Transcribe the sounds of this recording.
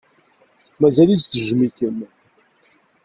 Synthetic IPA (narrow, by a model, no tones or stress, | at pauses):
mæzælizt͡s̪ːəʒmiçən